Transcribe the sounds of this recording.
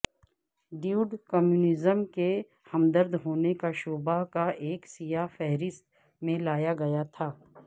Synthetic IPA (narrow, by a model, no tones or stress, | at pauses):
ɖiuːɖkɔmjuːnɪzəmke | hɐmd̪əɾd̪ɦoːnekaʃoːbakaʔeːksijafɛɦɾɪst̪ | mẽlaːjaɡɐjat̪ʰaː